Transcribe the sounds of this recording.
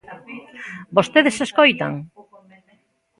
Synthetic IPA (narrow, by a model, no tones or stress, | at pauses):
bost̪eðɪseskojt̪ɐ̰ŋ